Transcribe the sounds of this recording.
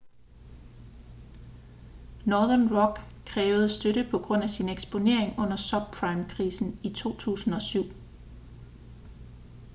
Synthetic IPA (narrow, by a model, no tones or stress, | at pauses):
nɒːðˠɐnʁɒ̽ɡ̥ | kʰʁɛːʊð̞̩ˠsd̥øɾəpʰɒ̽ɡ̥ʁɔ̽n̰æsineɡ̥sb̥o̝ne̝ɐ̰e̝ŋɔ̽n̰ɐsɒb̥̚pʰʁɑ̈ɪmkʰʁiːsn̩it͡sʰo̝̰ːt͡sʰṵːsn̩ɒ̽syʊ̰